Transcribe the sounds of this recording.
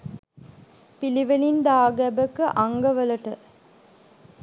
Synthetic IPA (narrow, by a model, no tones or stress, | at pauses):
piliʋelind̪aːɡæbəkɨʔaŋɡəʋəlɐʈə